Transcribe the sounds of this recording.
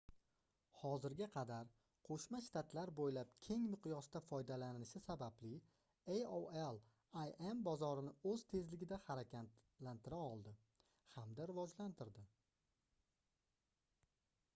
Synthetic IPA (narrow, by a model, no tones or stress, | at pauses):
hɒzɪɾɡʲaqʰɑd̪aɾ | qʰoʃmaʃt̪ʰat̪laɾbojlap̚kʲʰe̞ŋmɪqʰjɒsd̪afɒjd̪alanɪʃɪsabablɪ | ejoelˠ | ajembɒzɒɾɪnɪɵz̥t̪ʰe̞zlɪɡʲɪd̪ahaɾakʲa | lant̪ʰɪɾaɒlˠd̪ɪ | hamd̪aɾɪvɒd͡ʒlant̪ʰɪɾd̪ɪ